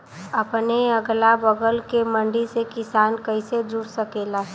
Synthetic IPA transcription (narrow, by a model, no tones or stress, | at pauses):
ɐpneəɡlabəɡəlkemə̃ɳɖisekɪsaːnkəɪsed͡ʒuɽsəkeːla